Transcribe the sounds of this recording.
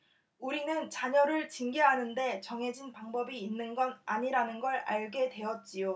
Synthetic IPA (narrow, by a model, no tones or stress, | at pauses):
uɾinɯnt͡ɕaɲʌɾɯɭt͡ɕiŋɡeɦanɯnde̞t͡ɕʌŋɦe̞d͡ʑinpaŋbʌbiːnːɯnɡʌna̰ɲiɾanɯnɡʌɾaɭɡe̞dwe̞jʌt̚t͡ɕ͈ijo